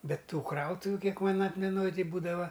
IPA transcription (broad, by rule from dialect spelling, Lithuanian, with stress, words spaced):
ˈbʲɛt ˈtuː ˈkrɐʊtʊʋʲʊ ˈkʲiɛk ˈmɐn ˈɑːtʲmʲɛnoːj ˈtɐɪ ˈbuːdɐʋɐ